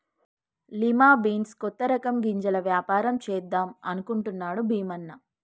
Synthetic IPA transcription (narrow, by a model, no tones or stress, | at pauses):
limaːbiːnskɔt̪ːɐɾɐkɐmɡiɲd͡ʒɐlɐʋjaːpaːɾɐmt͡ʃɛːd̪ːaːmɐnukuɳʈunːaːɽubʱiːmɐnːɐ